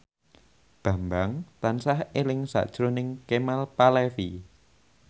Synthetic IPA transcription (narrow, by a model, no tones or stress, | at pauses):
b̥ä̤mbaŋt̪ansahelɪŋsa̰ʔd̥ʒ̥ɾonɪŋkemalpalɛfi